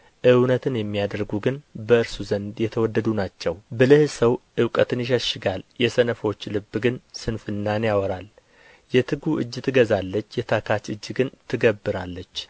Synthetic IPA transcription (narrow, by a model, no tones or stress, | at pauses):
ʔɨwnət̪ʰɨnjɛmːijad̪əɾɡuɡɨnbəɨɾsuzənd̪jɛt̪ʰəwɔd̪ːəd̪unat͡ʃːɛwbɨlɨhsəwʔɨwkʼət̪ʰɨnjɪʃəʃɪɡaljɛsənəfo̞t͡ʃːlɨbːɨɡɨnsɨnfɨnːanjawɔɾal | jɛt̪ʰɨɡuʔɨd͡ʒːt̪ʰɨɡəzalːət͡ʃːjɛt̪ʰakʰat͡ʃɨd͡ʒːɡɨnt̪ʰɨɡəbːɨɾalːət͡ʃː